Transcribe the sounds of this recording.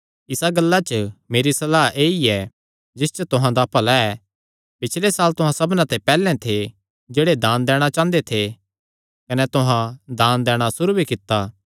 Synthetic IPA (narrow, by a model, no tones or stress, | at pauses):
ɪsaɡɐlːat͡ʃəmeːɾisɐlaːʔeːiɛ | d͡ʒɪst͡ʃət̪ʊɦãd̪aːpəlaɛ | pɪt͡ʃʰlesaːlt̪ʊɦãsɐbnãt̪epɛːlɛ̃t̪ʰe | d͡ʒeːɽed̪ãːnd̪ɛːɽ̃at͡ʃãːnd̪et̪ʰe | kɐnɛt̪ʊɦãd̪aːnd̪ɛːɽ̃asʊɾubikɪt̪ːaː